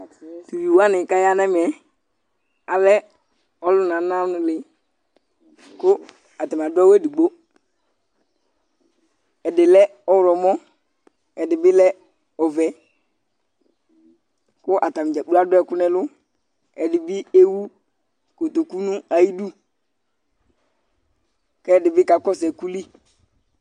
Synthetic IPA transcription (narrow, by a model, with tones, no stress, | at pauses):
tu˨ju˨wa˦nɪ˨ka˦ja˦nɛ˦m˨ɛ˨ | a˨lɛ˦ | ɔ˦lʊ˦n˨a˨˦na˦nʊ˨lɪ˨ | kʊ˦ | a˨ta˨m˨a˨dʊ˦a˦we˦˨di˨ɡ͡bo˦ | ɛ˨dɪ˨lɛ˦ɔ˨wɾɔ˨mɔ˦ | ɛ˨dɪ˨bɪ˦lɛ˦ | ɔ˨vɛ˨ | kʊ˦ʔa˨ta˨m˨d͡ʒa˨k͡pu˦a˦dʊ˦ɛ˨kʊ˦nɛ˨lʊ˦ | ɛ˨dɪ˨bɪ˦e˦wu˦ | ko˨to˨ku˦nu˦a˨ji˦du˦ | kɛ˦ɛ˦˨dɪ˨bɪ˦ka˨˦kɔ˦sɛ˨ku˦li˦